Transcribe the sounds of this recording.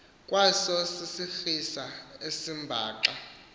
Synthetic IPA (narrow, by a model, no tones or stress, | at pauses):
kʼwasɔsisifisaesimbʱa̰ːǃa